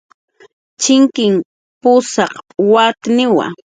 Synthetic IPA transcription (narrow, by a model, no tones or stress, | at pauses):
t͡ʃɪŋkɪm | pʊsɑqwat̪nɪwa̰